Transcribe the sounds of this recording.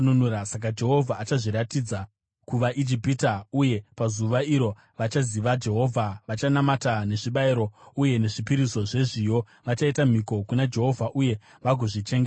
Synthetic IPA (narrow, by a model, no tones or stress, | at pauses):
nunuasak̬ad͡ʒe̞ɦo̞vʱaːt͡ʃaʐiɾatid͡za | kuʋaʔid͡ʒipitauje̞pazuʋaiɾo̞ | ʋat͡ʃaziʋad͡ʒe̞ɦo̞vʱaʋat͡ʃanamatane̞ʐiɓaiɾo̞uje̞ne̞ʐipiɾiso̞ʐe̞ʐijo̞ | ʋat͡ʃaitam̤iko̞kunad͡ʒe̞ɦo̞vʱaʔuje̞ | ʋaɡʱoʐit͡ʃe̞ŋɡea